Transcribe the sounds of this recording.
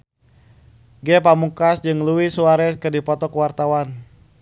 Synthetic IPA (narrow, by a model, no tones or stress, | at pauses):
ɡɛpamukasd͡ʒɨŋluwisuaɾɛkɨrdipɔt̪ɔkəwart̪awan